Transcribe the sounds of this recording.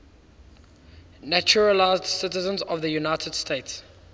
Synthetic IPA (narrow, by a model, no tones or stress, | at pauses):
næt͡ʃuɹəlaɪzdsɪtəzə̃nzɔvðəjunaɪtʰəd̥stʰeɪts